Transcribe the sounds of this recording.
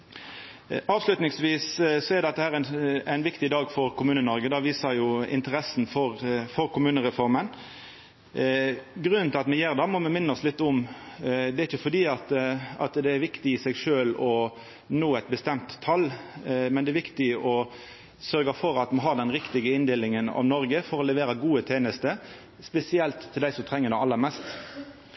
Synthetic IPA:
ɑːʋslʉt̪nɪŋsʋiːssɔɛɾd̪ɛt̪ːəhæːɾænæɪnʋɪkt̪ɪd̪ɑːɡfɔɾkʰʊmʉːnənɔɾɡəd̪ɑʋiːsɑjʊɪ̰nt̪əɾɛsnfɔɾfɔɾkʊmʉːnəɾɛfɔɾmən | ɡɾʉnənt̪ɪlɑt̪mɛjeːɾd̪ɑmɔmɛmɪnːəɔslɪt̪ːʊm | d̪ɛæɾɪçəfɔd̪iːɑt̪ɑt̪d̪ɛæɾʋɪkt̪ɪɪsɛɡʂøːlɔ | noːɛt̪̚bəst̪ɛmt̪ʰːɑlːmɛnd̪ɛæɾʋɪkt̪ɪɔ | sœɾɡɑfɔɾɑt̪mɑnɦɑːd̪ɛnɾɪkt̪ɪɡəɪnd̪eːlɪŋənɑ̰ʋnɔɾɡəfɔɾɔlɛʋeːɾəɡuːət̪ʰeːnəst̪ə | spɛsɪɛlt̪ʰːɪld̪æɪsɔmt̪ʰʁɛŋːəɾd̪æɪɑlːəɾmɛst̪

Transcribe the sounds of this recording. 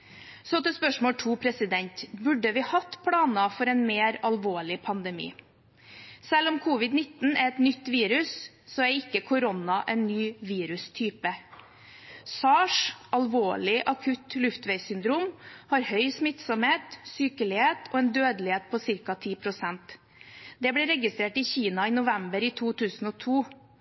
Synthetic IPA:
sɔt̪ɛspœʂmoːlʈʰuːpʰɾɛsɪd̪ɛnt̪bʉɖːəʋɪhɑt̪ːpʰɽɑːnɑfɔɾɛnmeːɾɑlʋoːɭɪpʰɑnd̪ɛmḭː | sɛlɔmkʰuːʋɪd̪nɪt̪ːn̩æɾɛt̪nʏt̪ːʋiːɾʉs | sɔæɾɪkːəkʰʊɾɔnɑʔɛnːyːʋiːɾʉst̪ʰyːpə | sɑːʂʔɑlʋoːɭɪʔɑkʰʉt̪lʉft̪ʋɛɪsʏnd̪ɾuːmhɑɾhœʏsmɪt̪sɔmheːt̪syːkəɭɪheːt̪ʰɔɛːnd̪øːd̪əlɪheːt̪̚pʰɔsɪɾkɑt̪ʰiːpʰɾʊsɛnt̪ | d̪ɛblɛɾɛɡɪst̪ɾeːʈɪçiːnɑiːnʊʋɛmbəɾiːt̪ʰuːt̪ʰʉːsn̩ɔːt̪ʰuː

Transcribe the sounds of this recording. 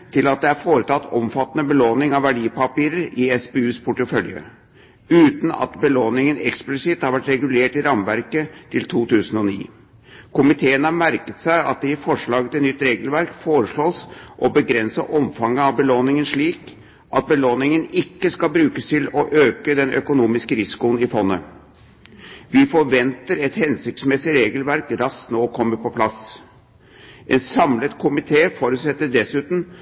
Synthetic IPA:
t̪ʰɪlɑt̪̚d̪ɛæɾfoːɾət̪ʰɑt̪ːɔmfɑt̪ːənəbəloːnɪŋɑʋæɖiːpɑpiːɾəɾɪɛsbeːʉːspʰʊʈəfœljə̰ | ʉːt̪n̩ɑ̰t̪bəloːnɪŋənɛksplɪsɪt̪hɑɾʋæʈɾɛɡʉleːʈɪɾɑmʋæɾkət̪ʰɪlt̪ʰuːt̪ʰʉːsənɔnḭː | kʊmɪt̪ʰeːənəhɑmæɾkət̪sæɪɑ̰t̪̚d̪ɛɪfɔʂɭɑːɡət̪ʰɛnʏt̪ːɾeːɡəlʋæɾkfoːɾəʂɭoːsʔɔbəɡɾɛnsə̰ʔɔmfɑŋːəɑʋbəloːnɪŋənʂɭiːk | ʔɑt̪̚bəloːnɪŋənɪkːəskɑlbɾʉːkəst̪ʰɪlɔʔøːkəd̪ɛnʔœ̰kʊnuːmɪskəɾɪsɪ̥kʊnɪfɔnːə̰ | ʋɪfɔɾʋɛnt̪əɾɛt̪hɛnsʏk̚t̪smɛsɪɾeːɡəlʋæɾkɾɑst̪noːkʰɔmːəpɔpʰlɑs | ʔɛnsɑmlət̪kʰʊmɪt̪ʰeːfoːɾʉt̪sɛt̪ːəɖɛsʉːt̪n̩

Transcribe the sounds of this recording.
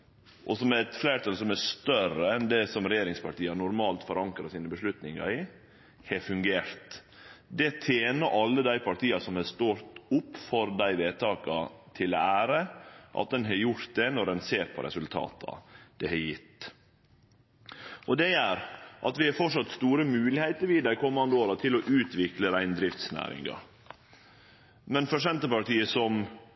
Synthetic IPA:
ʔɔsɔmɛt̪fleɪɾt̪ɑlsɔmæst̪œɾəɛnd̪ɛsɔmɾɛjeːɾɪŋspʰɑʈiːɑnʊɾmɑːlt̪fɔɾɑŋkɾɑsiːnəbəʂlʉt̪nɪŋɑ̰ɾɪ | hɛfʉŋɡeːɾt̪ | d̪ɛt̪ʰeːnəɾʔɑlːəd̪æɪpʰɑʈ̪ʰiːɑsɔmhɑst̪oːɾt̪ʊpːfɔɾd̪æɪʋeːt̪ʰɑːkɑt̪ʰɪlɔæːɾəʔɑ̰t̪̚d̪ɛnɦɑɾjʊɾt̪̚d̪ɛnɔɾɛnseːɾpʰɔ̰ɾʔɛ̰sʉlt̪ʰɑ̰ːt̪ʰɑ̰d̪̥ɛhɛjɪt̪ː | ɔd̪ɛjæːɾʔɑt̪ʋɪhɑfɔʈʂɑt̪st̪uːɾəmʉːlɪheɪt̪əɾʋiːd̪æɪkʊmɑnd̪oːɾɑt̪ʰɪlɔʔʉːt̪ʋɪkləɾæɪnd̪ɾɪft̪snæ̰ːɾɪ̰ŋɑ̰ | mɛnfɔʂɛnt̪əpɑʈiːəsɔm

